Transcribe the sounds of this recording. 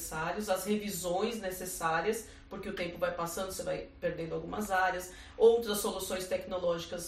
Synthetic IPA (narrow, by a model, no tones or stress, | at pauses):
saɾiʊzɐzhevizõj̃znesesaɾiɐs | poɾkeʊt̪ẽmpʊvajpasɐ̃nd̪ʊsevajpeɾd̪ẽnd̪awɡũmɐzaɾiɐs | owt̪ɾɐsːolusõj̃st̪ɛknolɔʒikɐs